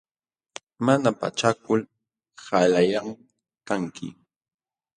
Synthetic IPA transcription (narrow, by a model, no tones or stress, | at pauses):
manapa̰t͡ʃakʊl | halajam | kaŋkʰɪ̰